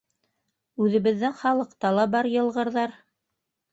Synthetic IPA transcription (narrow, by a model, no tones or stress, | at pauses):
ʉðɘ̆βɘ̆ðːɘŋχɑlˠɤ̆qt̪ɑlˠɑbɑɾjɤ̆lˠʁɤ̆ɾðɑɾ